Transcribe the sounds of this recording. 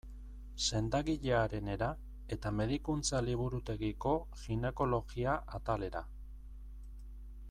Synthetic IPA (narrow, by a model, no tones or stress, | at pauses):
se̞nd̪aɣiʎe̞aɾe̞ne̞ɾa | e̞t̪ame̞ðikunt͡saliβ̞uɾut̪e̞ɣiko̞ | xine̞ko̞lo̞ɣiaʔat̪ale̞ɾa̰